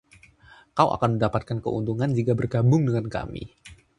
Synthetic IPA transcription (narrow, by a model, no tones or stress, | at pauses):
kawʔa̰kanməndapat̪̚kankə̰ṵnt̪uŋand͡ʒikabərɡabʊŋdəŋanka̰mḭ